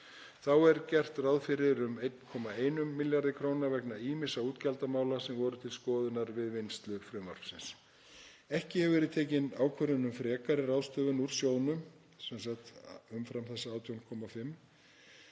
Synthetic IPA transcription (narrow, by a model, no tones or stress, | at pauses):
θawɛɾcɛr̥t̪rawðfɪɾɪɾʏmejt̪nkʰɔːmaeːjnʏmːɪljaɾðɪkʰɾoːwnavɛknaiːmɪsauːt̪calt̪amaːwlasɛmvɔːɾʏt̪ʰɪlskɔːðʏnaɾvɪðvɪnst̪lʏpfɾʏma̰ɾ̥fsɪns | ɛhcɪhɛvʏvɛɾɪðt̪ʰeːcɪnaːwkʰvœɾʏnʏmfɾɛːkaɾɪraːwst̪œːvʏnuɾ̥sjoːwnʏm | sɛnsak̚t̪ʏmfɾamθɛsːaaːwt̪ʰjownkʰɔmafɪmː